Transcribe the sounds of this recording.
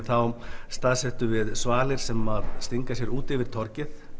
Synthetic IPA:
θawst̪aːðsɛht̪ʏvɪðsvaːlɪɾ̥sɛmaðst̪iŋkas̬jɛɾuːt̪ɛvɪɾ̥t̪ʰɔɾcɪθ

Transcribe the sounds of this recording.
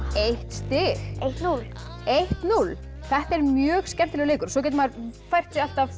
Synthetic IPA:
ejht̪st̪ɪɣejht̪nulejht̪nul | θɛht̪ɛɾmjœːɣscɛm̥t̪ɪlɛɣleːkʏɾsɔc̬ɛːt̪̬maɾfajr̥t̪sialt̪av

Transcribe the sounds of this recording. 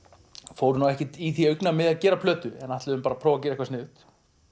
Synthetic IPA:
fowɾʏnawɛhcɛt̪iθiœɥknamɪðaðcɛːɾapʰlœːt̪ʏɛnaht̪ɪðʏmpaːɾapʰɾɔːvac̬ɛːɾɛkvasnɪːðʏt̪

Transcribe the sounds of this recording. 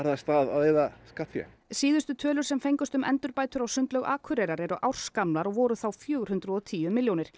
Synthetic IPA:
aɾðast̪aːða̰ðeːjðaskat̪fjɛ̰ | siːðʏst̪ʏt̪ʰœːlʏɾ̥sɛmfejŋkʏst̪ʏmʔɛ̰nt̪ʏɾpaːjt̪ʏɾawsʏnt̪lœɣaːkʰʏɾɛjɾaɾɛɾʏʔawr̥skamlaɾɔɣvɔːɾʏθawfjœːɣɾhʏnt̪ɾʏðɔt̪ʰiːjʏmɪljownɪɾ̥

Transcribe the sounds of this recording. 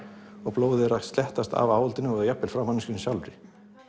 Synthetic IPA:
ɔɣploːwðɪɾast̪lɛht̪ast̪a̰vaːwɔlt̪ɪnːʏɔɣjapːɪlfɾawmanːɪscʏnsjawlɾɪ

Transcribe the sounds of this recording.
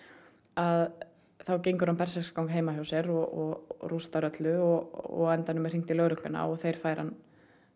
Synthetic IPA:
að | θawcejŋkʏɾhanpɛr̥sɛskawŋkɦeːjmahjaːwsɛɾɔɔrust̪aɾœt̪lʏɔɔ̰ɣɛnt̪anʏmɛr̥iŋt̪ɪlœɣɾʏklʏna̰ɔɣθejɾ̥faːjɾhanː

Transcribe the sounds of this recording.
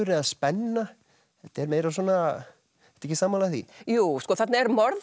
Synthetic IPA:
ʏɾɪaspɛnːa | θɛt̪ɛɾmeːjɾasɔːna | ɛt̪aɛcːɪsaːmaːlaθḭjuːskɔːθat̪naɛɾmɔɾð

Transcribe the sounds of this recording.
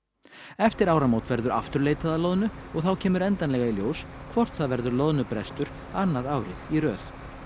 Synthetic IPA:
ɛft̪ɪɾaːwɾamoːwt̪vɛɾðʏɾaft̪ʏɾleːjt̪aðalɔːðnʏɔɣθawcʰɛːmʏɾɛnt̪anlɛɣailjoːwskʰvɔr̥t̪θaðvɛɾðʏɾlɔðnʏpɾɛst̪ʏɾ̥ | anːaðaːwɾɪðirœːθ

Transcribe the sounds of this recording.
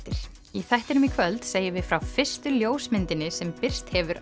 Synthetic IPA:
t̪ɪɾ̥ | iθɛht̪ɪɾnʏmikʰvœlt̪seːjɪvɪðfɾawfɪr̥st̪ʏljoːwsmɪnt̪ɪnɪsɛmpɪr̥st̪hɛvʏɾ

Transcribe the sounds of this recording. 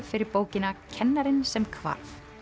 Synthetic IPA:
fɪɾɪɾpoːwcɪnacʰɛnːaɾɪnsɛmkʰva̰ɾ̥θ

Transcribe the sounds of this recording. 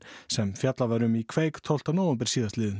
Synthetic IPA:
sɛmfjat̪lavaɾʏmikʰveːjkt̪ʰowl̥t̪anoːwampɛɾ̥siːðast̪lɪːð

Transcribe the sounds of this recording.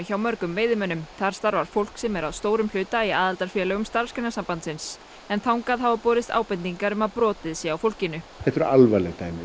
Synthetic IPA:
çawmœɾkʏmvɪːjðɪmœnʏmθaɾ̥st̪aɾvaɾ̥fowl̥ksɛmɛɾaðst̪oːwɾʏml̥ʏːt̪aiaːðalt̪aɾ̥fjɛːlœːɣʏmst̪aɾ̥skɪnasampant̪sɪns | ɛnθawŋkaðhavapɔːɾɪst̪a̰ːwpɛnt̪iŋkaɾʏmaðpɾɔːt̪ɪðsjɛawfowl̥cɪnːʏɛht̪ʏɾalvalɛɣt̪aːjmɪ

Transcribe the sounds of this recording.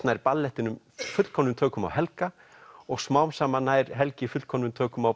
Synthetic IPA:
t̪najɾpalːɛht̪ɪnʏm | fʏt̪l̥kʰɔnːʏmt̪ʰœːkʏma̰whɛlka | ɔɣsmaːwmsaːmanaːjɾɦɛlcɪfʏt̪kʰɔnːʏmt̪ʰœːkʏmaw

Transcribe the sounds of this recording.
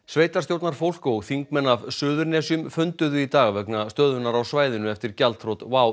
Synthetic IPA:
sveːjt̪aɾ̥st̪jowt̪naɾ̥fowl̥kowθiŋkmɛnːavsʏːðʏɾnɛːsjʏmfʏnt̪ʏðʏit̪aːɣavɛknast̪œːðʏnaɾawsvaːjðɪnʏɛft̪ɪɾ̥calt̪fɾowt̪vaːw

